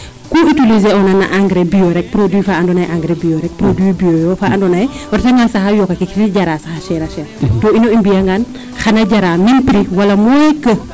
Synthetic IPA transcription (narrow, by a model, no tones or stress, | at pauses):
kuitilizeɔnɐnɐ̰ʔaŋɡɾɛbijoɾɛk̚pɾodwiːfaɐndɔnɐjʔaŋɡɾɛbioɾɛk̚pɾodwibiojɔfaːɐndɔnɐjwɐɾtɛŋɡansɐxɐjɔkːɐkikitiɟɐɾaːsɐxɐʃɛɾɐʃɛtɔːinoimbijɐŋɡan | xɐnɐɟɐɾaːminpɾiwɐlɐmɔɛkə